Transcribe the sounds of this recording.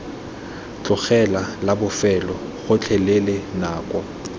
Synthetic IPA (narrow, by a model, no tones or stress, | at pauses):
t͡ɬʼʊχɛlalabʊfɛlɔ | ɣʊt͡ɬʰɛlelenaːkʼɔ